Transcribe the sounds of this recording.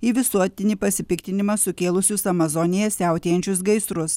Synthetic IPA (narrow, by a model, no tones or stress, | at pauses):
iːʋʲɪsuɔt̪ʲɪnʲiːpɐsʲɪpʲɪkt̪ʲɪnʲɪmɑsʊkʲeːlˠʊsʲʊsɐmɐzɔnʲɪjɛsʲæˑʊt̪ʲeːjɛnʲt͡ʃʲʊsɡɐɪsɾʊs